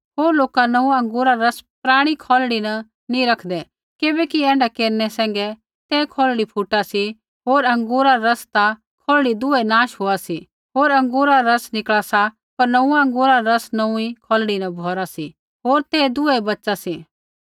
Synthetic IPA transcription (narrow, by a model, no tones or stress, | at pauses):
ɦoːɾloːkanɐũɐ̃ŋɡoːɾaɾɐspɾaːɽ̃ikʰɔːlɽinɐ | nĩɾɐkʰd̪ɛ | kɪbɛkiɛ̃ːɳɖakeːɾnɛsɛ̃ːŋɡɛ | t̪ɛːkʰɔːlɽipʰuʈasi | ɦoːɾɐ̃ŋɡoːɾaɾɐst̪a | kʰɔːlɽid̪ʊɛnãːʃɦoasi | ɦoːɾɐ̃ŋɡoːɾaɾɐsnɪkɭasa | pɐɾnɐũãɐ̃ŋɡoːɾaɾɐsnɐ̃ũikʰɔːlɽinɐbʱɔːɾasi | ɦoːɾt̪ɛːd̪ʊɛbɐtːt͡ʃasiː